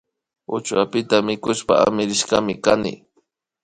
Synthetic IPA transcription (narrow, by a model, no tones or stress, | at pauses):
ʊ̰t͡ʃwapɪt̪amɪkʊʃpa̰a̰mɪɾɪʃkamɪkanɪ̰